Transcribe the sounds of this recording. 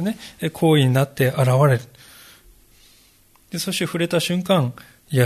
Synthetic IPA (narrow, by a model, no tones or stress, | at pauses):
ne̞kʰo̞ːiɲ̟inat̪ːe̞ʔaɾaβaɾe̞ɾɯ̥ | d̪̥e̞soɕt̪eɸɯ̟ɾe̞t̪aɕɨ̃ŋkãŋ | ja